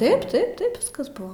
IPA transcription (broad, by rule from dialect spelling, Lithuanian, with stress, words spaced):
ˈtɐɪp ˈtɐɪp ˈtɐɪp ˈʋʲɪskɐs ˈbʊʋoː